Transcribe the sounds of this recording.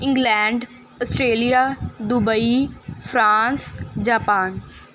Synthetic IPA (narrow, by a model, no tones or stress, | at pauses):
ɪ̃ŋɡlɛːɳɖ | ɔsʈɾeːlijaːd̪ʊbəifʰɾaːnsd͡ʒaːpaːn